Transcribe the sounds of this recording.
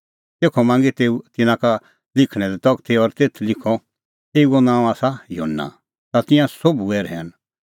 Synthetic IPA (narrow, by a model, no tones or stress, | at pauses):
t̪eːkʰɔmãːŋɡet̪eːut̪ɪnãka | lɪkʰɽ̃ɛlɛt̪ɔɡt̪ʰeɔɾt̪eːt̪ʰlɪkʰɔ | eːuɔnãːw̃aːsajoːnːã̰ | t̪at̪ɪ̃jãsobuɛːɾɦɛːn